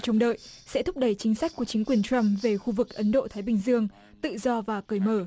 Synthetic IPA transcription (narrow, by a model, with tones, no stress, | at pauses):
t͡ɕə˧wŋ͡mɗə̰ː˧˨jʔsɛ̰˧˥t̪ʰʊ˥p̚ɗə˧˩jt͡ɕï˨˦ŋ̟sa˦˥k̚ku˧˩ət͡ɕï˨˦ŋ̟kwi˨˩ənt͡ɕa˧mve˨˩xu˧vɨ˨˩k̚ʔə˨˦nɗo̰˧˨t̪ʰaː˨˦jɓï˨˩ŋ̟zɨ˧əŋ | t̪ɨ̰˧˨zɔ˧vaː˨˩kɨː˨˧˩jməː˧˩